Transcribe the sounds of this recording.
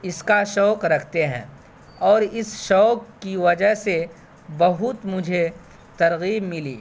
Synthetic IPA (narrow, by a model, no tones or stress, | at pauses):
ɪskaʃɔːkɾɐkʰt̪eɦɛ̰̃ː | ɔːɾɪsʃɔːkːiʋɐd͡ʒəɦse | bɐɦʊt̪mʊd͡ʒʱe | t̪ɐɾɣiːbmɪlḭː